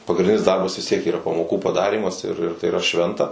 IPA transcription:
pɐɡrʲɪnʲˈdʲɪnʲɪs ˈdɐrbɐs ʋʲɪs ˈtʲiɛk iːˈrɐ pɐmoːˈkuː pɐˈdɑːrʲiːmɐs ɪr ɪr tɐɪ iːˈrɐ ˈʃʲʋʲɛntɐ

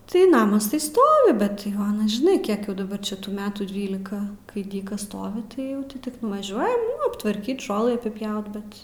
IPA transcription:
tɐɪ ˈnɑːmɐs ˈstoːʋʲɪ bʲɛt ˈjɛʊ ˈɑːnɐs ʒʲɪˈnɐɪ ˈkʲiɛk jɛʊ dɐˈbɐr ˈt͡ʃʲɛ tuː ˈmʲæːtuː ˈdʲʋʲiːlʲɪkɐ kɐɪ ˈdʲiːkɐs ˈstoːʋʲɪ tɐɪ ˈjɛʊ tʲɪ ˈtʲɪk nʊʋɐˈʒʲuɔjɛm nʊ ɐptʋɐrʲˈkʲiːt ˈʒoːlˠɨ ɐpʲɪˈpʲjɛʊt ˈbʲɛt

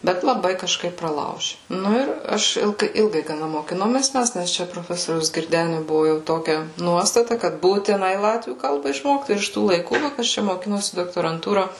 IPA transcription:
ˈbʲɛt lˠɐˈbɐɪ kɐʃˈkɐɪp prɐˈlˠɐʊʒʲɪ ˈnʊ ɪr ˈɐʃ ˈɪlˠɡɐɪ ˈɪlˠɡɐɪ ɡɐˈnɐ moːkʲɪˈnoːmʲeːs ˈmʲɛs ˈnʲɛs t͡ʃʲɛ proːˈfʲæːsoːrʲɛʊs ɡʲɪrʲˈdʲæːnʲʊ ˈbʊʋʊ jɛʊ ˈtoːkʲɛ ˈnuɔstɐtɐ kɐt buːtʲɪˈnɐɪ ˈlˠɑːtʲʋʲuː ˈkɐlˠbɐ ɪʃˈmoːkt ɪr ɪʃ ˈtuː lˠɐɪˈkuː ʋɐ ˈkɐs t͡ʃʲɛ moːˈkʲɪnoːsʲɪ doːktoːrɐnˈtuːrɐ

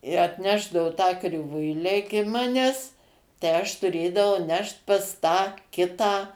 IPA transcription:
ɪ ɐtʲˈnʲæːʒdɐoː tɑː krʲɪˈʋʊɪlʲæː ˈɪkʲɪ ˈmɑːnʲæːs tɐɪ ˈɐʃ tʊˈrʲeːdɐʋɐʊ ˈnʲɛʃt pɐs ˈtɑː ˈkʲɪtɑː

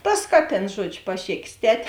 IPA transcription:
ˈtɐs ˈkɑːˌtʲeːns ˈʒuɔd͡ʒʲʊ pɐˈʃʲeːkʲeːs ˈtʲɛtʲ

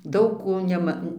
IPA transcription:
ˈdɐʊk ˈkoː ˈnʲæːmɐ

